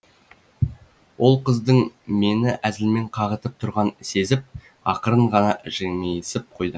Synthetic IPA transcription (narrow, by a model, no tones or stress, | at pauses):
wo̞lˠqʰəzd̪əɴme̞nɪʔæzɪlme̞ɴqʰɑʁət̪əp̚t̪ʰʊɾʁɑnse̞zɪp̚ | ɑqəɾəɴʁɑnɑʒ̥eŋejsɪp̚qʰo̞jd̪ə